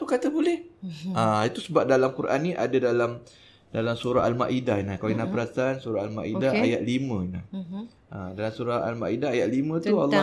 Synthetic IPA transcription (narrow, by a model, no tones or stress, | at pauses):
t̪ukat̪əbolɛhait̪usəbap̚dalamkuɾʔa̰nːĩʔadadalam | dalamsuɾa̰ɦalma̰ʔidahinakainapəɾasansuɾaalmaʔidaajat̪̚limə̃ina̰h | adalamsuɾaha̰lmaʔidaajat̪̚limə̃t̪ua̰lːɔ